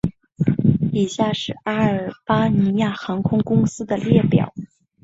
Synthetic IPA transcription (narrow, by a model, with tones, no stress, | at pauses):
i˨˩ɕja˥˩ʂɻ̩˥˩a˥ə˞˨˩pa˥ni˧˥ja˥˩xɑ˧˥ŋkʰʊ˥ŋkʊ˥ŋsɹ̩˥d̪ə˨ljɛ˥˩pjɑ̰˨˩˦ʊ